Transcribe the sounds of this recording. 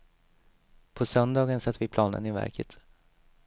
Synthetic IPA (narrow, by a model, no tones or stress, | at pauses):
pʰɔsœnd̪ɑːɡənsat̪ːvɪpʰlɑːnə̰nɪvæ̰ɾkʰət̪